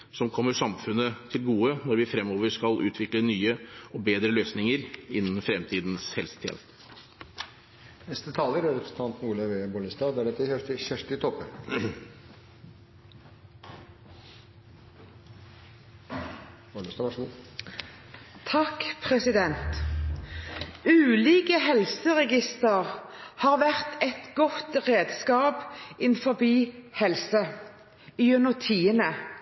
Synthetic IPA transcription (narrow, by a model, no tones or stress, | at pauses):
sɔmkʰɔmːəʂɑmfʉnːət̪ʰɪlɡuːənɔɾʋɪfɾɛmːoːʋəʂkɑlʔʉ̰ːt̪ʰʋɪklənyːəɔbeːd̪ɾəløːsnɪŋəɾɪnːn̩fɾɛmt̪ʰiːd̪nshɛlsə̥t̪ʰḛːn | nɛst̪ət̪ʰɑːləɾɛpɾɛɾəsn̩t̪ʰɑnt̪nuːləʋebɔləst̪ɑːd̪æɖɛt̪ːəɛʈəçæʂʈɪt̪ʰɔpːəɾ | bɔləst̪ɑʋɑʂmuː | t̪ʰɑkpʰʁɛsɪd̪ɛnt̪ | ʉːliːkəhɛlsəʁɛɡɪst̪əʁhɑːʁʋæʁt̪ɛt̪ɡɔt̪ʁeːd̪skɑːpɪnfɔbiːhɛlsə | iːʉnəʁt̪ʰiːənə